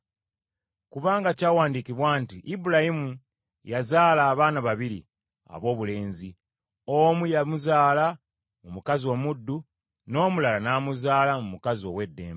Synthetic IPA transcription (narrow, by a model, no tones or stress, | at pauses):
kuβaːŋɡacaːwaːndikiβwaːntiʔibuɾahimu | jazaːlaːβaːnaβaβiɾḭ | a̰βo̞ːβule̞ːnzi | o̞mujamuzaːla | mumukazio̞ːmudːu | no̞ːmulalanaːmuzaːlamumukazio̞we̞dːe̞̰ːmb